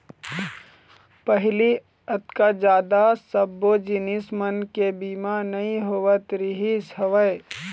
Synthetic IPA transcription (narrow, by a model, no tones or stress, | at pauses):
pəɦɪli | ət̪kad͡ʒaːd̪asəbod͡ʒɪnɪsmənkebiːmanɐĩɦoʋət̪ɾɪɦisɦɐʋəe